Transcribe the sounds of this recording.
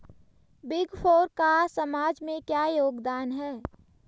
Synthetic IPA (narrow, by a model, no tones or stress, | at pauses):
bɪɡfʰoːɾkasəmaːd͡ʒmẽkjajoːɡd̪aːnɦɛː